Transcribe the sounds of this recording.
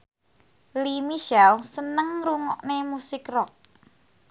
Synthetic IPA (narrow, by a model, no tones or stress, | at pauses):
limiʃɛlsənəŋruŋɔʔnemusɪkrɔk̚